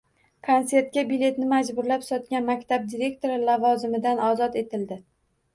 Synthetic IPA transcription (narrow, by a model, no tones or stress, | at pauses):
kʰonse̞ɾt̪̚kʲabile̞t̪nɪmad͡ʒbʊɾlapsɒt̪kʲanmakʲt̪ʰab̚d̪iɾe̞kt̪ʰo̞ɾɪlavɒzɪmɪd̪anɒzɒt̪e̞t̪ʰɪld̪ɪ